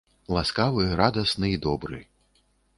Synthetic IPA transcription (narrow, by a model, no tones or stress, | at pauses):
lˠaskavɨɾad̪ɐsnɨid̪ɔbɾɨ̰